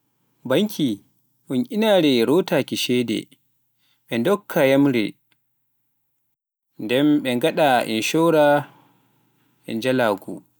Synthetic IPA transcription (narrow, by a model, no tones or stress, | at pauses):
baŋkʰi | ʔunʔinaːɾɛɾɔtakiʃɛdɛ̰ | ɓɛndɔkʰːajamɾɛ | ndɛmɓɛŋɡaɗaʔḭnʃɔwɾa | ʔɛ̰nd͡ʒalaːɡṵ